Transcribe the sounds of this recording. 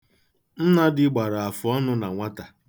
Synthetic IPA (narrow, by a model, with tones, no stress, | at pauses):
n̩˦na˦dɪ˦ɡ͡ba˨ɾa˨a˨fʊ˨ɔ˦nʊ˦na˨ŋʷa˦ta˨